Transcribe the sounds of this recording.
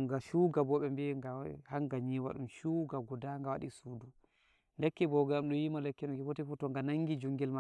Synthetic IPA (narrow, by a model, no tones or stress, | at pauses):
ŋɡaʃuɡabɔɓɛmbɛŋɡahaŋɡaɲiwa̰ɗumʃuɡaɡɔdaŋɡawaɗḭsudu | lɛkːɛbɔɡamɗɔjimalɛkːɛnɔɡɛwotifɔtɔŋɡanaŋɡid͡ʒuŋɡɛlma